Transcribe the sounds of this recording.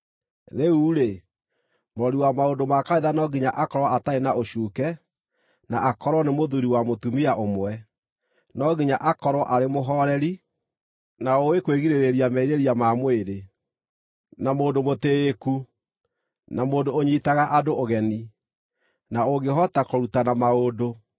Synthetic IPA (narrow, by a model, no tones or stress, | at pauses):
ɾeuːɾe | moɔɾiwamaondomakaiðanɔɡiɲaʔakɔɾwɔataenaoɕuːkɛ | naʔakɔɾwɔnemoðuɾiwamotumiaʔomwɛ | nɔɣiɲaʔakɔɾwɔʔaɾemoɦɔɾɛɾi | naowekweɣiɾeɾeɾiamɛiɾeɾiamamweɾe | namoːdomoteːku | namoːdooɲiːtaɣaʔadooɣɛni | naoɡeɦɔtakɔɾutanamaodo